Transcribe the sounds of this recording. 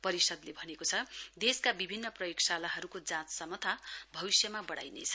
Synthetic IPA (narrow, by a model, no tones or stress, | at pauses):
pʌɾisʌd̪lebʱʌnekot͡sʰʌd̪eskabibʱinːʌprʌjoksalaɦʌɾukod͡zãt͡ssʌmʌt̪ʰabʱʌβisjʌmabʌɽa̰jnḛt͡sʰʌ̥